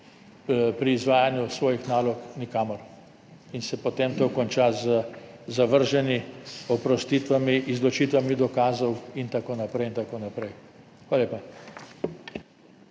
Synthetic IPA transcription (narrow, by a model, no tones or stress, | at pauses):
pɾiːzʋaːjanjusʋɔːjixnaːlɔknikaːmɔɾ | insɛpɔt̪eːmt̪oːkɔnt͡ʃazəzaʋəɾʒɛniɔpɾɔst̪it̪ʋamiʔːzlɔt͡ʃiːt̪ʋamid̪ɔkaːzɔwint̪akoːnapɾɛjint̪akoːnapɾɛj | xʋaːlaleːpa